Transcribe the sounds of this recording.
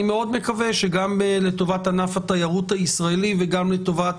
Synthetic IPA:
meo̞d̪me̞kaveʃeɡambelet̪o̞vat̪anafat̪ajaʁut̪haisʁaeliveɡamle̞t̪o̞vat

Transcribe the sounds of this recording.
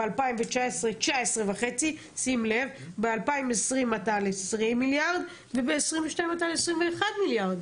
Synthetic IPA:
balpaimvet͡ʃaesʁet͡ʃaaesʁevaχet͡si | simlev | bealpaimesʁimːat̪alesʁimːiljaʁd̪ | vebeːsʁimveʃtajĩmat̪alesʁimveːχad̪miljaʁd̪

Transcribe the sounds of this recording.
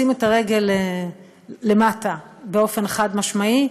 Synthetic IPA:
imet̪aʁe̞ɡe̞leː | e̞matabeo̞fe̞nχad̪maʃmai

